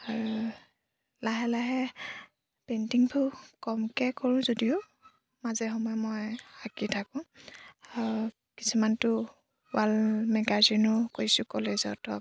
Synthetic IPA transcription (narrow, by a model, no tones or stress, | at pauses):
aɹu | laɦɛlaɦɛ | pentiŋpʰukɔmkɛkoɹʊ̃zodiʊ | mazɛxɔmɔjmojakitʰakʊ̃aɹu | kisumantʊ | walmɛɡazinʊkojsʊkɔlezɔtɔ